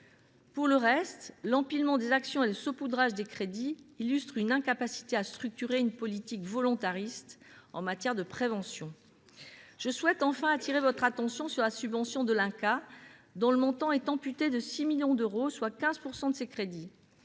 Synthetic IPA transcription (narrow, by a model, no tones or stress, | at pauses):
puʁləʁɛst̪lɑ̃pilmɑ̃d̪ezaksjɔ̃eləsopud̪ʁaʒd̪ekχed̪iːlyst̪χynɛ̃kapasi̥t̪east̪χyk̚t̪yʁeynpɔlit̪ikvɔlɔ̃t̪aʁist̪ɑ̃mat̪jɛʁd̪əpχevɑ̃sjɔ̃ | ʒ̥əswɛt̪ɑ̃fɛ̃at̪iʁevɔt̪χat̪ɑ̃sjɔ̃syʁlasybvɑ̃sjɔ̃d̪əlɛ̃kad̪ɔ̃ləmɔ̃t̪ɑ̃ɛt̪ɑ̃pyt̪ed̪əsimiljɔ̃d̪øʁoswakʲɛ̃zpuʁsɑ̃d̪əsekχed̪i